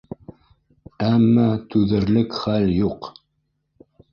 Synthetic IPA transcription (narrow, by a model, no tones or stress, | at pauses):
æmːæt̪ʉðɘ̆ɾlɘkχæljuq